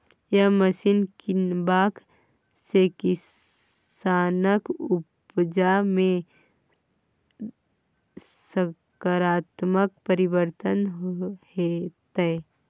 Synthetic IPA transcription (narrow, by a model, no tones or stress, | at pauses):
jaməsɪnkɪnbaːk | sekɪ | saːnəkʊp | d͡ʒamẽ | sə | kaɾaːt̪mək̚pəɾɪbəɾt̪ənɦohet̪ɛ